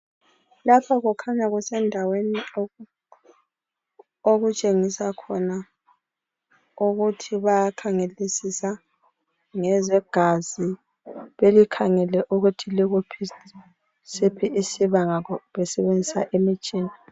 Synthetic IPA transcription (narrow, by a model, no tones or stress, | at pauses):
lapʰaɣukʰaɲaɣusɛndʱaweni | oɣut͡ʃʼeŋisakʰɔna | uɣutʰiβajakʰaŋelisisa | ŋɛzɛɡ̥ʱazi | βelikʰaŋɛlɛʔuɣutʰiliɣupʰi | sipʰiisiβaŋakɔβɛsɛβend͡zʱisa̰ʔemit͡ʃʼiːni